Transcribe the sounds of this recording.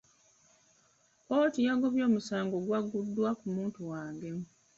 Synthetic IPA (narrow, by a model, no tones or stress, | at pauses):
oːtijaɡo̞βjo̞ːmusaːŋɡo̞ɡwaɡːudːwakumuːntuwaːŋɡe̞mu